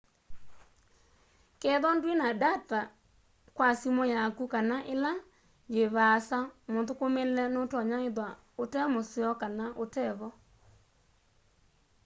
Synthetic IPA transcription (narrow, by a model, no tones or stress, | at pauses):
kɛðɔndwinadata | kwasimɔjakukanaʔela | d͡ʒeβasamotokomelɛnotɔɲaeðwa | otɛmosiɔkanaʔotɛβɔ